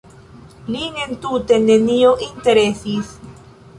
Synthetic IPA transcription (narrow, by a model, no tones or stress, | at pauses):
liŋent̪ut̪enenioʔint̪e̞ɾesis